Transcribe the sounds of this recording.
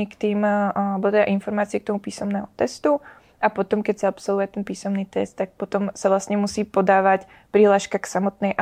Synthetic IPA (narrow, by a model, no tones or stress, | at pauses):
kt̪iːmbɔt̪ɛd̪a̰ʔinfɔɾmaːt͡siɪɛk̚t̪ɔmupiːsɔmnɛːɦɔt̪ɛst̪u | apɔt̪ɔmkɛcsaapsɔlˠʋujɛt̪ɛnpiːsɔmniːt̪ɛst̪ːak̚pɔt̪ɔmsaʋlast̪ɲɛmusiːpɔd̪aːʋac | pɾiɦlaːʃkaksamɔt̪̚nɛjʔa